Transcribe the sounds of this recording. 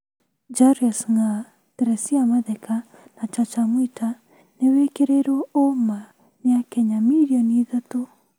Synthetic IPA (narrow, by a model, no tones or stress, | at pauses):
d͡ʒaɾiasŋa | tɛɾɛsiamaðɛka | nat͡ʃat͡ʃamwoita | newekeɾeɾwɔoma | neakɛɲamiɾiɔniðato